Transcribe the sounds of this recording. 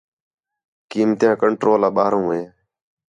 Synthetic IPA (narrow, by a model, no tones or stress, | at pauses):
kiːmt̪jãːkəɳʈɾoːlaːɓaːɾõːɦeː